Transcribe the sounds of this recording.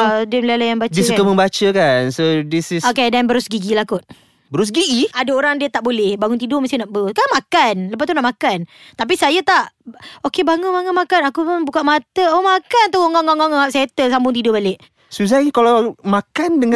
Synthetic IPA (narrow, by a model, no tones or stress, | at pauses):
adəmlalajaŋbadt͡ʃissukkaməmbat͡ʃəkansodisisokedanbəɾʊsɡiɡilakʊt̪̚ | bəɾʊs̬ɡiɡiadaoɾaŋdiət̪aʔbolɛhbaŋʊnt̪̬idʊməst̪ɪnaʔbəɾʊskanmakanləp̬ast̪unaʔmakan | t̪ap̬isajat̪aʔokebaŋʊnmaŋʊnmakanakupʊnbukaʔmat̪əomakant̪oŋɔŋaŋaŋɔaʔ̚saet̪əsambʊŋt̪̬idʊhbaleʔ | suzakalamakandəŋa